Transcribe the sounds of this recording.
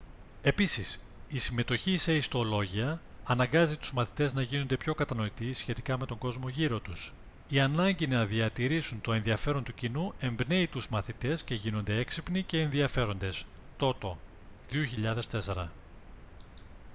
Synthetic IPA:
e̞pisis | isime̞t̪o̞çise̞ist̪olo̞ʝiɐːnɐŋɡɐzit̪uzmɐθi̥t̪e̞znɐʝino̞nd̪e̞pço̞kɐt̪ɐno̞it̪isçe̞t̪ikɐme̞t̪o̞ŋɡo̞zmo̞ʝiɾo̞t̪us | iɐnɐɲɟinɐðiɐt̪iɾisunt̪o̞e̞nðiɐfe̞ɾo̞nt̪ucinue̞mbne̞it̪uzmɐθit̪e̞sce̞ʝino̞nd̪e̞eksipnice̞ːnðiɐfe̞ɾo̞nd̪e̞s | t̪o̞t̪o̞ | ðioçiʎɐðe̞st̪e̞se̞ɾɐ

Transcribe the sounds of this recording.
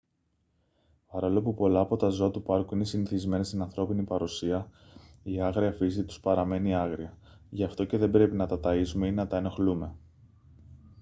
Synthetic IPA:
pɐɾolo̞pupo̞lɐːpo̞t̪ɐzo̞ɐt̪upɐɾkuinesiniθizme̞nest̪inɐnθɾo̞pinipɐɾusiɐ | iɐɣɾiɐfisit̪u̥spɐɾɐme̞niɐɣɾiɐ | ʝɐft̪o̞ceðe̞bɾe̞pinɐt̪ɐt̪ɐisume̞inɐt̪ɐeno̞xlume̞

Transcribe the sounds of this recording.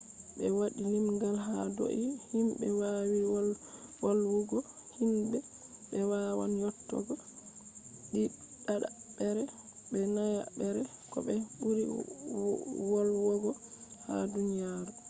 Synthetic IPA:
bɛwaɗilimɡalɦa̰do̰ʔihimbɛ̰wawi | wɔlwuɡɔhimbɛɓɛwawa̰njɔtːɔ̰ɡɔ | ɗiɗaɗa̰ɓɛɾɛbɛnaja̰bɛɾɛkɔ̰ɓɛɓuɾḭ | wɔlwɔɡɔha̰dunijaɾu

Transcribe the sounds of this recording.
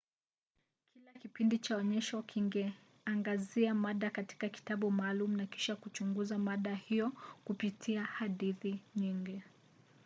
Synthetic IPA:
kilakipindit͡ʃaɔɲɛʃɔkʰiŋɡɛ | aŋɡaziamaɗakati̥kaki̥taɓumaːlumunaki̥ʃakut͡ʃuŋɡuzamaɗahijɔkupitʰiahaɗiθiɲiŋɡi

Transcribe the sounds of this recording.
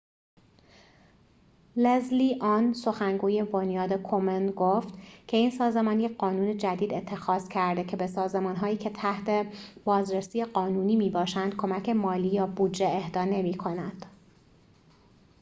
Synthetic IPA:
lezliːʔɒːnso̞xæŋɡuːje̞bonjɒːd̪ekʰomenɡoft̪cʰe̞iːnsɒːze̞mɒːnjeɢɒːnuːned͡ʒæd̪iːd̪e̞t̪ʰːe̞xɒːzcʰæɾd̪e̞cʰe̞besɒːze̞mɒːnɦɒːjiːcʰe̞t̪ʰæht̪ʰe̞b̥ɒːzɾesiːjeɢɒːnuːniːmiːbɒːʃænd̪̥̚kʰo̞mæcʰe̞mɒːliːjɒːbuːd͡ʒːeehd̪ɒːne̞miːkʰo̞nænd̪̥

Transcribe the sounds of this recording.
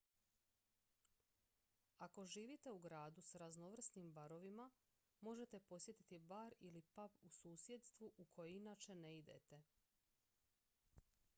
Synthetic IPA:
ako̞ʒiːʋit̪euɡɾaːd̪usɾaznoʋr̩snimbaɾo̞ʋima | mo̞ʒe̞t̪e̞po̞sje̞t̪i̥t̪ibaɾilipapusuːsje̞d̪st̪ʋuʔukʰo̞jeinaːt͡ʃe̞neid̪ḛt̪e̞

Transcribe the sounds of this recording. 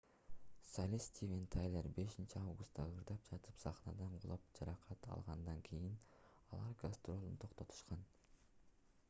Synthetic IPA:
salʲisʲt̪ʲʰivʲent̪ʰajlʲˠeɾbe̞ʃint͡ʃiɑvɡust̪ːɑɯɾd̪ɑp̚d͡ʒɑt̪ɯpsɑχnɑd̪ɑɴqo̰lˠop̚d͡ʒɑɾɑqʰɑt̪ʰɑ̰lˠʁɑnd̪ɑŋkʲʰijin | ɑlˠɑɾɡast̪ro̞lˠunt̪ʰo̞qt̪o̞t̪ʰu̥ʃqɑn

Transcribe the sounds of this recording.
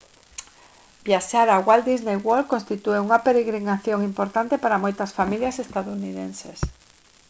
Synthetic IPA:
bjaʃaɾaɣwald̪iznejwolkonst̪it̪ueuŋɐpeɾeɣɾinaθjoŋimpoɾt̪ant̪epaɾamojt̪ɐsfamiljɐsest̪aðouniðenses

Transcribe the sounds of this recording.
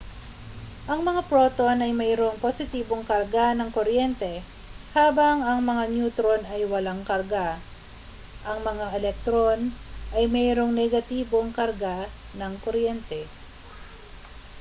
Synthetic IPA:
ʔɐŋmɐŋapɾoːt̪onɐjmɛjɾoŋposɪt̪iːbo̞ŋkɐɾɡanɐŋkoɾjɛnt̪ɛ | haːbɐŋɐŋmɐŋanjuːt̪ɾonɐjwɐlaŋkɐɾɡa | ʔɐŋmɐŋaʔɛlɛk̚t̪ɾonʔɐjmɛːɾo̞ŋnɛɡɐt̪iːboŋkɐɾɡa | nɐŋkoɾjɛnt̪ɛ

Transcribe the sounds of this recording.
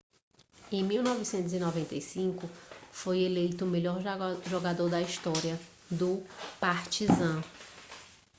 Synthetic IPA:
ẽj̃miwnɔvisẽnt̪ʊzinɔvẽnt̪ejsĩkʊfojelejt̪ʊːmeʎɔɾʒoɡad̪oɾd̪ɐiʃt̪ɔɾiɐ | d̪ʊpaɾt͡ʃizɐ̃

